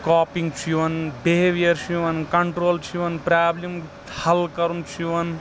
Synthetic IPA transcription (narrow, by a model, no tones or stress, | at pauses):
kaːpiŋɡt͡ʃʰiʋɐnbeɦeʋijɐɾt͡ʃʰiʋɐnkɐɳʈɾoːlt͡ʃʰiʋɐnpɾaːblim | hɐlkɐɾunt͡ʃʰiʋɐn